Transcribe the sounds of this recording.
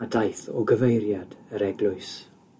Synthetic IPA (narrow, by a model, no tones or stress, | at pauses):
adajθɔɡəvejɾjadəɾɛɡlʊɨs